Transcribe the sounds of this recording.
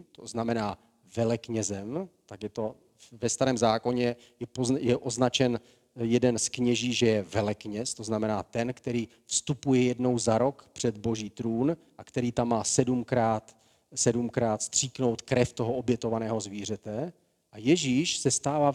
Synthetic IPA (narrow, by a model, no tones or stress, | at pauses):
t̪oznamɛnaː | vɛlɛkɲɛzɛmt̪akjɛt̪o̞ | vɛst̪aɾɛːmzaːko̞ɲɛ | jɛpozjɛʔoznat͡ʃɛn | jɛdɛnskɲɛʒiːʒɛjɛvɛlɛkɲɛst̪o̞znamɛnaːt̪ɛnkt̪ɛɾiː | fst̪upujɛjɛdno̞wzaɾo̞kpr̝̥ɛd̪bo̞ʒiːt̪ɾuːn | ʔakt̪ɛɾiːt̪amːaːsɛdumkɾaːt̪ | sɛdumkɾaːt̪st̪r̝̥iːkno̞wt̪kɾɛft̪o̞ɦoʔobjɛt̪o̞vanɛːɦo̞zviːr̝ɛt̪ɛ | ʔajɛʒiːʃsɛst̪aːvaː